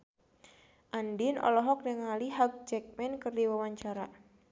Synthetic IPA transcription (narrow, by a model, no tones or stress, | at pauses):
ʔandinɔ̰lɔɦɔk̚nəŋaliɦak̚d͡ʒɛk̚mɛnkɨrdiwawaɲt͡ʃaɾa